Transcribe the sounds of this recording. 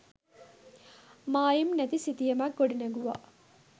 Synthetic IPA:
maːjimnæt̪isit̪ijɐmakːoɖineɡuʋa̰

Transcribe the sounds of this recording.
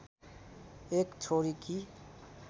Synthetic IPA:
eːkt͡ʃʰoɾiki

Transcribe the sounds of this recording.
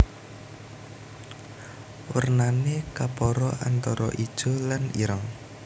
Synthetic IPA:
wərnanekapɔɾɔʔant̪ɔɾɔʔid̥ʒ̥o̤lanḭɾəŋ

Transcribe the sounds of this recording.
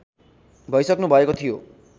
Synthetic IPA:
bʱʌjsʌknubʱʌekot̪ʰijo

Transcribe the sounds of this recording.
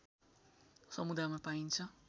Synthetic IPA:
sʌmud̪ʱamapaint͡sʰʌ

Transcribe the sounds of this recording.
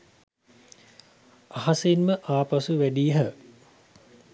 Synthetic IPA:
aɦasenməʔaːpasuʋæɖijəɦə

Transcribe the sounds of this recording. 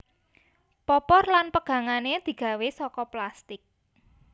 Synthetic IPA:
pɔpɔrlanpəɡ̥ä̤ŋaned̪̥i̤ɡ̥ä̤wesɔkɔplast̪ɪk̚

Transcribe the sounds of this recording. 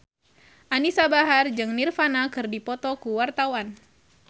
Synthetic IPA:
ʔanisabaɦard͡ʒɨŋnirfanakɨrdipɔt̪ɔkuwart̪awan

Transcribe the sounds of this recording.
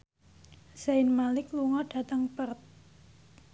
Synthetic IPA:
saɪnmalɪkluŋɔɖ̥a̤t̪əŋpərt̪̚

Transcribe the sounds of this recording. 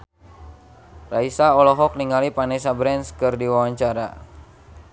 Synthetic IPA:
raisaɔlɔɦɔk̚niŋalipanɛs̬abɾɛnskɨrdiwawaɲt͡ʃaɾa

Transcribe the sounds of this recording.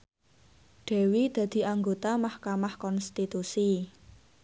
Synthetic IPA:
ɖ̥ɛ̤wid̪̥ä̤d̪̥i̤ʔaŋɡot̪amahkamahkɔnst̪it̪usi

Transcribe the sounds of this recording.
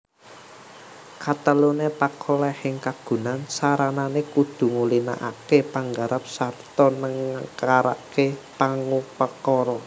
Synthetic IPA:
kat̪əlunepakʰɔlɛhɪŋkaɡ̥ṳnansaɾananekud̪̥ṳŋulina̰ʔa̰kepaŋɡaɾap̚sart̪ɔnəŋkaɾa̰ʔkepaŋupəkɔɾɔ

